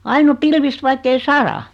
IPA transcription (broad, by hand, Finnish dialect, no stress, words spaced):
ɑin o pilʋist ʋɑikːei sɑrɑ